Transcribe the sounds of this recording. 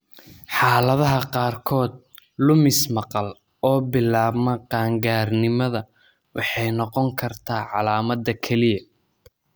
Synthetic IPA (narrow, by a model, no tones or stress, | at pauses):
ħɑːlɐðɐɦɐqɑːrkʰɔːd̪̚ | lʊmɪsmɑqɑl | ɔːbɪlaːbmɐqɑːŋɡaːrnɪmɐðɐ | wɑħɑjnɔqɔŋkʰɐrt̪ʰaːʕɑlaːmɐd̪ːɐkʰɛlɪjɐ